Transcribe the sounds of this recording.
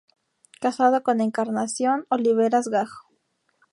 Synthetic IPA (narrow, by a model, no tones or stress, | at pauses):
kasaðoko̞ne̞ŋkaɾnasjo̞noliβeɾazɣaxo̥